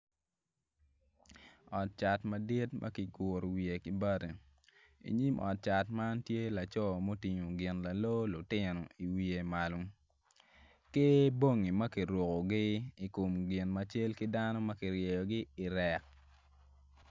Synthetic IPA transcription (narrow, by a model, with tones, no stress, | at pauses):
ɔ˨t̚t͡ʃa˨tmɐ˨di˦tmʔa̰˦kɪ˨ɡʊ˨ɾwi˨e˨kɪ˦ba˦de˨ | ḭ˨ɲi˦mʔɔ̰˨t̚t͡ʃa˨tma˦ntje˦la˨t͡ʃɔ˦˨mo˦ti˨ɲo˨ɡɪ˨nla˨lo˦lʊ˨tɪ˦nɔ˨i˨wi˨e˨ma˨lʊ˦ | ke˦bo˦ŋi˨mɐ˦ki˨ɾo˨ko˨ɡɪ˦i˨ko˨mɡɪ˨nmat͡ʃe˦lkɪ˦da˦nɔ˦mɐ˦kɪ˨ɾje˨jɔ˨ɡɪ˦ɪ˨ɾɛ˨k̚